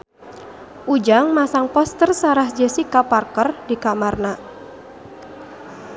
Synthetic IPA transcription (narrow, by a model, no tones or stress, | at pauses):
ʔud͡ʒaŋmasaŋpɔst̪ərsaɾahd͡ʒəsikaparkərdikamarna